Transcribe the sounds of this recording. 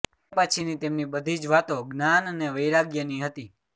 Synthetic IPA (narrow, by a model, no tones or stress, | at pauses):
pat͡ʃʰinit̪emnibəd̪ʱid͡ʒʋat̪oɡnanəneʋəjɾaɡjəniɦət̪i